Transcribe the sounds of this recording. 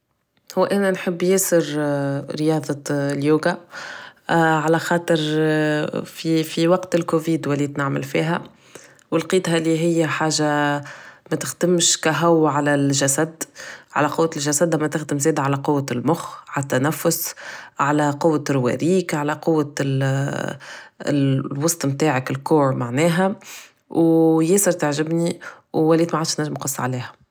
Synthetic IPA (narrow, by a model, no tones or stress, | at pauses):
hʊwːʔænænħɪbːjɛːsɪɾɾəjɑːðˤɑljuːɡa | ʕalæxɑːt̪ˤəɾ | fifiwɑqt̪ɪlkuviːd̪wɪlːit̪naʕmɪ̰lfḭːɦæ | wɪlqiːt̪ɦæliɦɪjːæħaːʒa | mæt̪ɪxd̪̥ɪmʃkæɦʊwːʕalælʒæsæd̪ʕa̰læqʊwːalʒæsæd̪ʔæmːæt̪ɪxd̪ɪmzɛːd̪ʕalæqowːalmʊxʕalæt̪ːænæfːʊsʕalæqʊwːarwæ̰ɾiːkʕalæqʊwːa | wɑsˤt̪ˤmt̪aːʕəkɪlkuːɾmaʕnɛːɦæ | wjeːsəɾt̪aʕʒɪbni | wwæliːd̪maʕaːd̪ʃnæʒːɪmnqɑsˤːʕaliːhæ